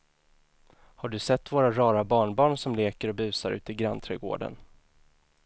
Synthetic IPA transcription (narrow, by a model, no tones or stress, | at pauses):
haɖɵsɛt̪ːvoːɾaɾɑːɾabɑːɳbɑːɳsɔmleːkəɾɔbʉ̟ːsaɾʉ̟̰ːt̪əɡɾant̪ʰɾɛɡo̰ːɖə̰n